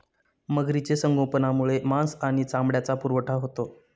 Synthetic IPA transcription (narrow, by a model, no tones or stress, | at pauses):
məɡɾit͡ɕesəŋɡʱopənamuɭemãsaɽ̃it͡sambɽjat͡sapuɾʋəʈʰaɦot̪o